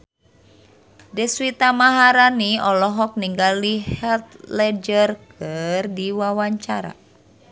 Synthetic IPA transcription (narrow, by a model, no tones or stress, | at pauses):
dɛswit̪amaɦaɾaniɔlɔɦɔk̚niŋɡalihɛlt̪̚lɛd͡ʒərkɨrdiwawaɲt͡ʃaɾa̰